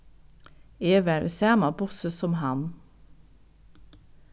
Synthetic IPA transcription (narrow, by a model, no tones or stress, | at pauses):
eːʋæɹʔʉ̰sæːmɑbʊsəsɔmhɑn